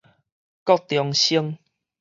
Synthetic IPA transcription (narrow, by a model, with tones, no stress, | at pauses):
kɔ˥˧k̚t̪jɔ˨ŋɕi˦əŋ